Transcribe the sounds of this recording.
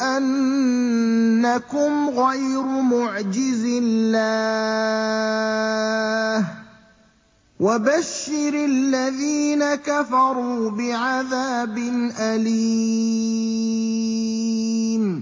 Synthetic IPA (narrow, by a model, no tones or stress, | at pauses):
ʔan | akʊmɣajɾʊmʊʕd͡ʒɪzɪlːaː | h | wabaʃːɪɾalːaðiːnakafɑɾˤuːbɪʕaðaːbɪnʔaliː | m